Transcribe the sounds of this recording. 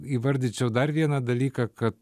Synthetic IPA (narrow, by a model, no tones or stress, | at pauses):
iːʋɐɾʲd̪ʲɪt͡ʃʲɛʊd̪ɐrʋʲiɛnɐd̪ɐlʲiːkɑkɐt̪